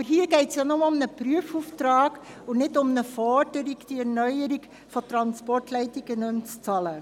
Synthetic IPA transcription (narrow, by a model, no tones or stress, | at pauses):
bəɾɦiːəɡ̥ɛɪtsjanɔmʊmnəpɾyəfuːftɾɑːɡ | ʊnɪdʊmnəfɔɾd̥əɾɪkd̥iɛɾnœʏəɾik | fɔtɾɑnspɔɹtlɛɪtɪɡənønt͡st͡sɑlə